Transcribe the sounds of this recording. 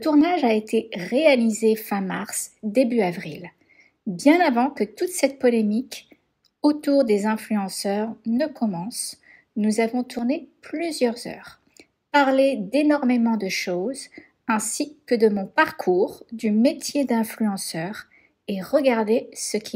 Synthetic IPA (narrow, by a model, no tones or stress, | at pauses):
lət̪uʁnaʒaet̪ʰeʁealizefɛ̃maʁsd̪ebyavʁil | bjɛ̃navɑ̃kət̪ut̪sɛt̪̚pɔlemik | ot̪uʁd̪ezɛ̃flyɑ̃sœʁnəkʰɔmɑ̃s | nuzavɔ̃t̪ʰuʁneplyzjœʁzœ̰ːʁ | paʁled̪enɔʁmemɑ̃d̪əʃoz | ɛ̃sikəd̪əmɔ̃paʁkʰuʁd̪ymet̪jed̪ɛ̃flyɑ̃sœːʁ | eʁəɡaʁd̪esəkʲʰi